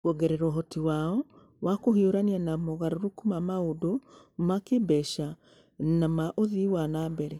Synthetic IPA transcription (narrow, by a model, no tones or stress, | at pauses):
koɡɛɾɛɾɔɦɔtiwaɔ | wakohioɾanianamoɣaɾoɾokumamaodo | makebɛʃa | namaʔoðiwanabɛɾɛ